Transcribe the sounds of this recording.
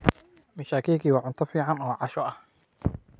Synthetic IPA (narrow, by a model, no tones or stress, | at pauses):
mɐʃaːkʰiːkʰiːwɑːʕʊnt̪ʰɔfiːʕɑnɔːʕɑʃɔɐh